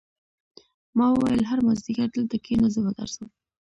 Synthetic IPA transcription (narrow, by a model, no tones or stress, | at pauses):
mɑwəwajəlɦaɾmazd̪ikaɾd̪əlt̪akʰenazəbad̪a̰ɾsəw